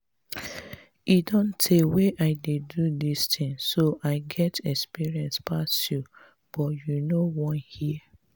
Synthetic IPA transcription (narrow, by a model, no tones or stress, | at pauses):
idõntʰeweʔaɪdedudistʰĩŋsoʔaɪɡɛtɛkspiɹiɛ̃nspʰasju | b̥ɔtjunowɔ̃nhiɛ